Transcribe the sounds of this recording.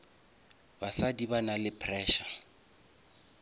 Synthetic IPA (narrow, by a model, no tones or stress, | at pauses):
basadibanalɪpʰrɛːʃa